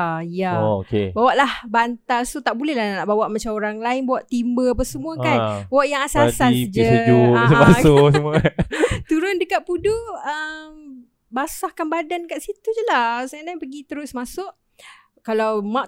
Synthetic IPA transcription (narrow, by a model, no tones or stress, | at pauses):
jaokebawaʔlahbant̪alsut̪aʔbulɛlahnaʔbawaʔmat͡ʃamoɾaŋlaɪnbawaʔt̪imbəapasəmuakanwaʔjaŋasasald͡ʒəsusəbasʊsəmuat̪uɾʊndəkaʔpudoəm | basahkanbadankaʔsit̪ud͡ʒəlasanajpəɡit̪əɾʊsmasʊʔ | kalawmaʔ